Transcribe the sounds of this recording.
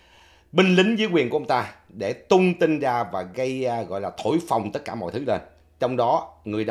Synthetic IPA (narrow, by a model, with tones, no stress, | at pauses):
ɓï˧ŋ̟lï˨˦ŋ̟zəː˨˦jkwi˨˩ənku˧˩˧ŋ͡mt̪aː˧ɗe˧˩t̪ʊ˧ŋ͡mt̪ï˧ŋzaː˧vaː˨˩ɣə˧jɣɔ̰˧˨jlaː˨˩t̪ʰo˧˩˨jfa˨˩wŋ͡mt̪ə˦˥t̚kaː˧˩mɔ̰˧˨jt̪ʰɨ˨˦le˧˩n | t͡ɕɔ˧wŋ͡mɗɔ˨˦ŋɨ˨˩əjɗ